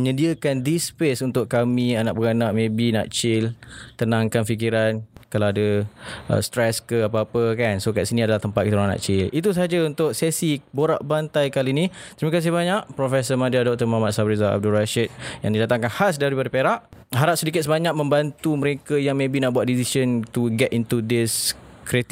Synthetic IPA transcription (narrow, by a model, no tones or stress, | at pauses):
əɲədiakandispesunt̪ʊʔkːamĩanaʔbəɡanaʔmẽbina̰ʔt͡ʃɪlt̪ənãŋkanfik̬iɾankalawadəə̰st̪ɾɛskəapaapəkansokaʔsinĩadalaht̪əmpat̪kit̪uɾana̰ʔt͡ʃɪlit̪us̬aɦad͡ʒaunt̪ʊʔ̚sesiboɾa̰ʔbant̪ajkalinit̪ɾimakas̬iβaɲaʔpɾofɛsəmadiadɔk̚t̪əmamat̪̚sabɾizaa̰b̚dulraʃət̪̚jãŋdidat̪aŋkanhas̬daɾipadapeɾaʔɦaɾap̚sədikɪt̪səbaɲak̚mə̃mbant̪uməɾekajaŋmẽbinaʔbuat̪̚disisənt̪uɡɛtint̪udɪskɾit̪